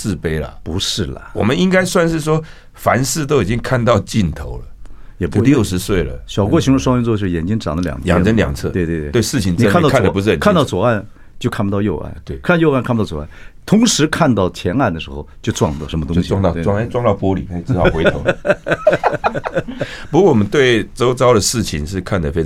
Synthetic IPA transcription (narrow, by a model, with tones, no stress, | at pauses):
sɹ̩˥˩pe˥ɪlə̰˨˩pu˧˥ʂɻ̩˥˩lə̰˩wɔ̰˨˩mə˦ni˥ŋka˥ɪswa˥˧nʂɻ̩˥˩ʂwɔ˥ | fa˧˥nsɹ̩˥˧t̪o˥ʊi˨˩t͡ɕi˦ŋkʰa˥˧nt̪ɑ˥˧ʊt͡ɕi˥˧nt̪ʰo˧˥ʊlə˨jɛ˨˩pu˧˥ljo˥˩ʊʂɻ̩˧˥swe˥˩ɪlə̰˩ɕjɑ˨˩ʊkwɔ˥ɕʰi˧˥n˧ʂwɑ˥ŋɛ˥˧nt͡swɔ˧t͡ɕ̩˥˩jɛ˨˩nt͡ɕi˥ŋʈ͡ʂɑ̰˨˩ŋd̪ə˦ljɑ̰˨˩ŋjɑ̰˥˨ŋ˧ə˥nljɑ̰˨˩ŋt͡sʰɤ̰˥˩twe˥˧ɪt̪we˥˧˩t̪we˥˩t̪we˥˩ɪʂɻ̩˥˩t͡ɕʰi˧˩nni˨ə˥ka˥˧˨nə˨˧˩pu˧˥ʂ̩˥˩˨kʰa˥˧n˥t̪ɑ˥ʊt͡swɔ˨˩a˥˩n | t͡ɕjo˥˧kʰa˥˩pu˧t̪ɑ˥˧jo˥˧ʊʔa̰˥˩nt̪we˥˩kʰa˥˩˧jo˥˧a˥˩nkʰa˥˩pt̪ɑ˥˩wɔ˨˩˦a˥˩t̪ʰʊ˧˥ŋʂɻ̩˧˥kʰa˥˧nt̪ɑ˥˩ʊt͡ɕʰjɛ˧˥na˥˩nd̪ə˩ʂɻ̩˧˥xo˥˧ʊt͡ɕjo˥˧ʊʈ͡ʂwɑ̰˥˧ŋlə̰˥˩ʂə˧˥mət̪ʊ˥˧ŋɕi˨ɑ˥˧ŋt̪ɑ˥˧ʊwɑ˥˧ŋ˧˥ʈ͡ʂwɑ˥˧ŋt̪ɑ˥˩ʊpwɔ˥lḭ˨˩kʰa˧˥i˨˩˥ɑ˥˩˥xwe˧˥o˧˦ | pu˧˥kwɔ˥˩wɔ˨˩mə˦nt̪we˥˩ɪt͡so˥ʊt͡sɑ˥ʊɾə˨ʂɻ̩˥˩t͡ɕʰi˨˩nʂɻ̩˥˧kʰa˥˩nd̪ə˩fe˥ɪ